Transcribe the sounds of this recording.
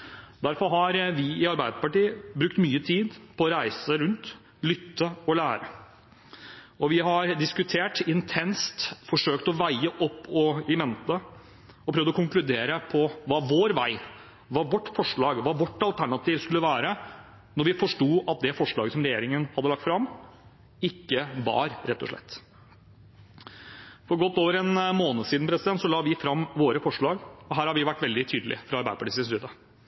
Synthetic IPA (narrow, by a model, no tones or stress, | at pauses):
d̪æɾfɔɾɦɑɾʋɪɪɑɾbæɪd̪əpɑʈiːbɾʉkt̪myːət̪ʰiːd̪pʰɔɔɾæɪsəɾʉnt̪ | lʏt̪ːəɔlæːɾə | ɔʋɪɦɑɾɖ̪ɪskʉt̪ʰeːʈɪnt̪ʰɛnst̪fɔʂøːkt̪ɔʋæɪəʔɔpːɔɪmɛnt̪ə | ɔpʰɾøːʋd̪ɔkʊŋklʉd̪eːɾəpʰɔʋɑːʋoːɾʋæɪ | ʋɑʋɔʈːfɔʂɭɑːɡʋɑʋɔʈːɑlt̪ʰæɳɑt̪iːʋskʉlːəʋæːɾə | nɔɾʋɪfɔʂʈuːʔɑt̪̚d̪ɛfɔʂɭɑːɡəsɔmɾɛjeːɾɪŋənhɑd̪ːəlɑk̚t̪fɾɑmː | ɪkːəʋɑ̰ɾɾɛt̪ʰːɔ̰ʂɭɛ̰t̪ː | fɔɾɡɔt̪ːoːʋəɾɛnmoːnəsiːd̪n̩pɾɛsɪd̪ɛnt̪sɔlɑːʋɪfɾɑmːʋoːɾəfɔʂɭɑːɡɔɦæːɾhɑɾʋɪʋæʈːʋɛld̪ɪt̪ʰyːd̪əlʔɪ̰fɾɑɑɾbæɪd̪əpʰɑʈiːsɪsyːd̪ə